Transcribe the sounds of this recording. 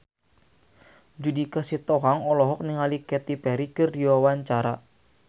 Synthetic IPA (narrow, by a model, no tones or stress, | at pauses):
d͡ʒudikəsit̪ɔɦaŋɔlɔɦɔk̚niŋalikɛt̪ipɛɾikərdiwawaɲt͡ʃaɾa